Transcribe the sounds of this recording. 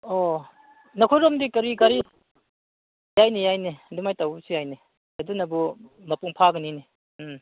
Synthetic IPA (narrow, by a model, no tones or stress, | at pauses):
ɔ | nɐkʰojɾɔmdikɐɾikaɾi | jajnijajnedumajtawsijajne | ɐdunɐbumɐpuŋpʰaɡɯnini